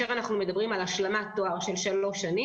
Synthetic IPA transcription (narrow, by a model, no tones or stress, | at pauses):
eʁanaχnumed̪ɐbʁimalaʃlamat̪ːoaʁʃe̞lʃalo̞ʃani